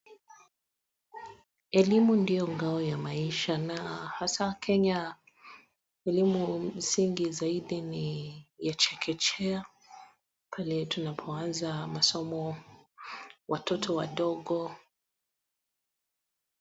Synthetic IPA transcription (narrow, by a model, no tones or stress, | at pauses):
ɛlimundijɔŋɡaɔjamaiʃanahasakʰɛɲa | ɛlimumm̩siŋɡizaiɗinijat͡ʃɛkʰɛt͡ʃɛa | pʰalɛtunapʰɔanzamasɔmɔ | wʔatʰɔtʰɔwaɗɔɠɔ